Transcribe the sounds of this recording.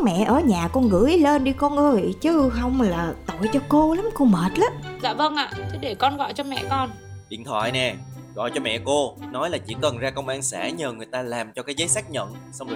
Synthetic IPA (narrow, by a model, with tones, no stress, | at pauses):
mɛ̰˧˨ʔəː˧˩ɲaː˨˩kɔ˧nɣɨ̰˧˥əjle˧nɗi˧kɔ˧nʔəː˧jt͡ɕɨ˨˦ɦə˧wŋ͡mlaː˨˩t̪o˧˨jt͡ɕɔ˧ko˧la˨˦mko˧məː˨˩t̚laː˨˦mza̰ː˧˨və˧nʔa̰ː˧˨t̪ʰi˨˦ɗe˧˩kɔ˧nɣɔ̰˧˨jt͡ɕɔ˧mɛ̰˧˨kɔ˧n | ɗḭ˧˨ənt̪ʰwa̰ː˧˨jnɛ˨˩ | ɣɔ̰˧˨jt͡ɕɔ˧mɛ̰˧˨ko˧nɔ˨˦jlaː˨˩t͡ɕḭ˧˥kə˨˩nzaː˧kə˧wŋ͡mʔaː˧nsa̰ː˧˩ɲəː˨˩ŋɨ˨˩əjt̪aː˧laː˨˩mt͡ɕɔ˧kaː˨˦jzəː˨˦jsaː˦˥k̚ɲə̰˧˨nsa˧wŋ͡m